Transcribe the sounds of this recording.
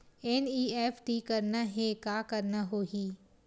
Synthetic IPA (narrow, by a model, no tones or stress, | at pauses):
eniːeːfʈiːkɐɾnaɦekaːkɐɾnaɦoːɦiː